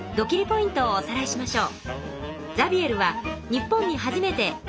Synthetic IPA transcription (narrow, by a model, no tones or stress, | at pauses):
d̪o̞kʲiɾʲipo̞ĩnt̪o̞ːsaɾaiɕimaɕo̞ː | d͡zabʲie̞ɾɯ̟βaɲ̟ipːõ̞ɲ̟ːiɦaʑime̞t̪e̞